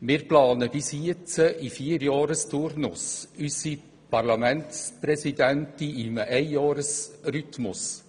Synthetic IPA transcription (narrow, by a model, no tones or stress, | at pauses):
mɪːɾplɑːnəbɪsiət͡səʔifiəɾjɑːɾəstʊɾnʊsysi | pʰɑrlɑmɛntspɾɛsidɛntiimʔɛjjɑːɾəsɾytmʊs